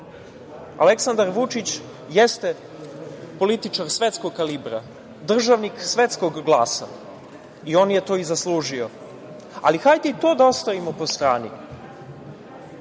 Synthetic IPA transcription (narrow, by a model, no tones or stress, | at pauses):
a̰le̞ksand̪aɾʋut͡ʃit͡ɕ | jest̪e | po̞lit̪it͡ʃaɾsʋe̞t̪sko̞ɡ̚kalibɾa̰ | d̪r̩ʒaʋniksʋe̞t̪sko̞ɡɡlˠaːsa̰ | io̞ːnje̞t̪oizaslˠuːʒio̞ | a̰lixajt̪it̪o̞ːd̪ao̞st̪aʋimo̞po̞st̪ɾaːnḭ